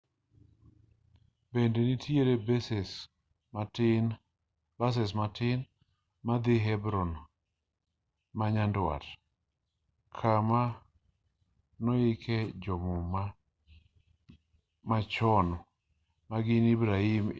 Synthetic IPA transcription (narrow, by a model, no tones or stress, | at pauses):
bendenitʰjeɾebsɛs | bas̬ɛs̬matɪn | mad̪ɪɦɛbɾɔn | maɲandwa̰t | kʰama | nɔɪkʰɛd͡ʒɔmɔma | mat͡ʃɔn | maɡɪnibɾaim